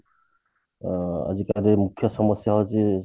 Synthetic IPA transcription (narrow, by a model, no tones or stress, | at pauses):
a̰d͡ʒikaɾemukʰːjɔsɔmɔsjaɦɔt͡ʃi